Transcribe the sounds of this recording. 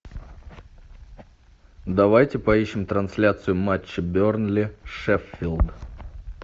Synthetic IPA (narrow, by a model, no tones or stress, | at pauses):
d̪ɐvajtʲɪpɐiɕːɪmt̪ɾɐnsʲlʲat̪sɨjʊmat͡ɕːɪbʲornlʲɪʂɛfʲːilˠd̪